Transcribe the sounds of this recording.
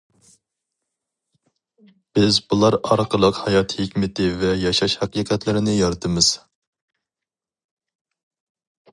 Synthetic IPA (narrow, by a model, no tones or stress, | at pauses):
b̥ɪzbulˠɑɾɑɾqəlˠəqhɑjɑt̪ʰhɪkʲmɪt̪ʰɪvɛjɑʃɑʃhæqiːqʰɛt̪lɪɾɪnɪjɑɾt̪ʰɨmɨz̥